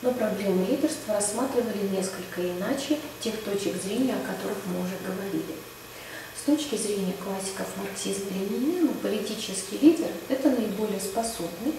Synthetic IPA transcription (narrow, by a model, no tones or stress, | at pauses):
nopɾɐblʲe̞mɨlʲidʲɪrst̪vəɾɐsmat̪ɾʲɪvəlʲɪnʲe̞skəlʲkəɪnat͡ɕɪtʲe̞xt̪o̞t͡ɕɪɡzɾʲenʲɪjəɐkɐt̪o̞ɾɨxmɨʊʐɛɡəvɐɾʲḭlʲɪ | st̪o̞t͡ɕkʲɪzɾʲenʲɪjəklˠasʲːɪ̥kəfmɐrksʲismlʲɪmʲɪnʲnʲimɨpəlʲɪtʲit͡ɕɪskʲɪjlʲidʲɪrɛt̪ənəɪbo̞lʲɪjəspɐso̞bnɨj